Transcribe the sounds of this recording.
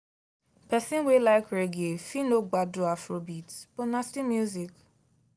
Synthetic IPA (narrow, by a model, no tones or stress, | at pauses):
pɛsɪ̃nwelaɪkɾeɡiefinoɡ͡badʊafɾobitpʊnastimjuzik